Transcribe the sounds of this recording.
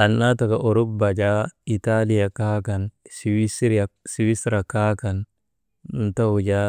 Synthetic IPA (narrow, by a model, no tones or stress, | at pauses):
anːatakaʔoɾubbad͡ʒaitalijakakansiwisɾasiwisɾakakan | ntawud͡ʒa